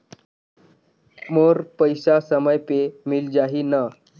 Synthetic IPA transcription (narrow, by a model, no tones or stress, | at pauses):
moɾpəjsasəməjpemiːld͡ʑaɦina